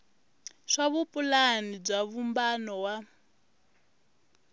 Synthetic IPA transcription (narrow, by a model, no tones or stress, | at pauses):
ʂaβupʼulanib͡ʐaβumbanɔwa